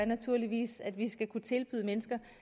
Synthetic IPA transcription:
ɐnæt͡sʰuɐ̰liʋḭːsæd̥ʋisɡ̥ækʰut͡sʰe̝lb̥y̰ːðˠmenəsɡ̥ɐ

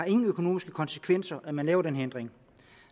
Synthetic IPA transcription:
ɑ̈e̝ŋŋ̩økʰo̝no̝ːmisɡ̥əkʰɒ̽nsə̥kʰʋen̰sɐʔæmænlɛ̰ːʊɐd̥enɦend̥ʁeŋ

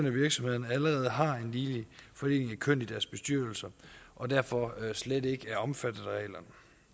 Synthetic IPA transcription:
nəʋiɐɡ̥sɒ̽mhe̝ðˠɐnæləʁɛːð̞̩ˠəɦɑ̈e̝nliːlifɒ̽e̝̰ːne̝ŋækʰøn̰id̥æɐsb̥e̝sd̥yɐ̰l̩sɐʔɒ̽d̥æɐfɒ̽sled̥e̝ɡ̥əæɐɒ̽mfæd̥ð̩ˠʁɛ̰ːlɐn

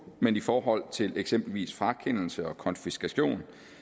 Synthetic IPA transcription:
menifɒːɦɒ̽l̰t͡sʰe̝leɡ̥sem̰b̥l̩ʋḭːsfʁɑ̈kʰen̰l̩səɒ̽kʰɒ̽nfisɡ̥æɕo̝̰ːn

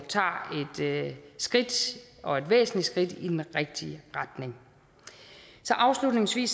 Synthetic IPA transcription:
t͡sʰɑ̰̈ːe̝d̥sɡ̥ʁid̥ʔɒ̽e̝d̥ʋḛːsn̩lisɡ̥ʁid̥id̥enʁeɡ̥̚d̥iʁäd̥ne̝ŋ | sɒ̽ʔɑ̈ʊslud̥ne̝ŋsʋḭːs

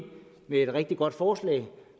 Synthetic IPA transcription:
meed̥ʁeɡ̥̚d̥iɡ̥ɒ̽d̥fɒːslɛ̰ːɪ

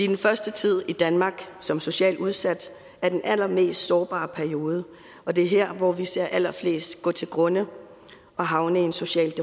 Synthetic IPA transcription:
id̥enfɶɐsd̥ət͡sʰið̞̰ˠid̥ænmɑ̈ːɡ̥sɒ̽mso̝ɕɛ̰ːluð̞ˠsæd̥ | æɐd̥enʔælɐme̝̰ːsd̥sɒːb̥ɑ̰̈ːpʰæɐio̝ːð̞ˠə | ʔɒ̽d̥e̝ɐɦeɐ̰ʋɒʋise̝ɐ̰ʔælɐfle̝̰ːsd̥ɡ̥ɔ̰̽ːt͡sʰe̝lɡ̥ʁɔ̽nə | ʔɒ̽ɦɑ̈ʊnəe̝nso̝ɕɛ̰ːld̥e

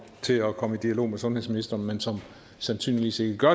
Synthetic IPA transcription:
t͡sʰe̝ɒkʰɒ̽məid̥iælo̝̰ːmesɔ̽nɦeð̰ˠsminisd̥ɐnmensɒ̽m | sænsy̰ːnliʋḭːse̝ɡ̥əɡ̥ɶɐ

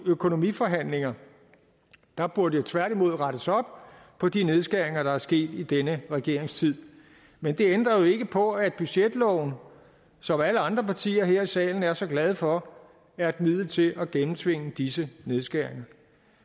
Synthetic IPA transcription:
økʰo̝no̝mḭːfɒ̽ɦæn̰le̝ŋɐ | d̥ɑ̈b̥uɐdəjot͡sʰʋæɐɾ̥imo̝ð̞̰ˠʁɑɾ̥əsɒ̽b̥pʰɒ̽d̥ine̝ð̞ˠsɡ̥æɐ̰e̝ŋɐɾ̥ɑ̈æɐsɡ̥e̝̰ːd̥id̥enəʁɛɡ̥e̝ɐ̰e̝ŋst͡sʰið̞̰ˠ | mend̥e̝end̥ʁɐjo̝e̝ɡ̥əpʰɒ̽æd̥̚b̥yɕed̥lɒʊn̩ | sɒ̽mæləɑ̈nd̥ʁɐpʰɑ̈t͡sʰḭːɐɦeɐ̰isɛ̰ːln̩æɐsɒ̽ɡ̥lɛð̞ˠfɒ̽ | æɐed̥mið̞̰ˠl̩t͡sʰe̝lʔæɡ̥enm̩t͡sʰʋe̝ŋ̰əd̥isəne̝ðˠsɡ̥æɐ̰e̝ŋɐ

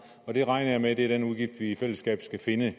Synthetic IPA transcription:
ɒ̽d̥e̝ʁɑ̈ɪnɐjɑ̈med̥e̝æd̥enuðˠɡ̥ifd̥ʋiːfel̰əsɡ̥ɛ̰ːb̥sɡ̥æfe̝nə

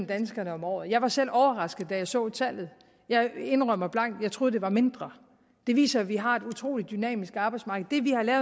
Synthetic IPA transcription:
m̩d̥ænsɡ̥ɐnəɒ̽mɒ̰ːð̩ˠjɑ̈ɪʋɑ̈sel̰ɒʊɐʁɑ̈sɡ̥ð̞̩ˠd̥æjɑ̈ɪsɔ̰̽ːt͡sʰæl̰ð̞̩ˠ | jɑ̈ɪe̝nʁœm̰ɐb̥lɑ̈ŋ̰d̥jɑ̈ɪt͡sʰʁo̝ːð̩ˠd̥e̝ʋɑ̈me̝nd̥ʁɐ | d̥e̝ʋḭːsɐæʋiɦɑ̈e̝d̥ut͡sʰʁo̝̰ːlid̥ːynɛ̰ːmisɡ̥ɑb̥ɑ̈ɪdsmɑ̈ːɡ̥əð̩ˠd̥e̝ʋihɑ̈lɛːʊ

